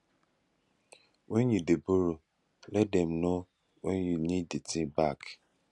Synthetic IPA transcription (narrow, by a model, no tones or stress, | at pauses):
wɛ̃njudeboɾo | lɛt̚dɛ̃mno | wɛ̃njunĩdetʰĩbak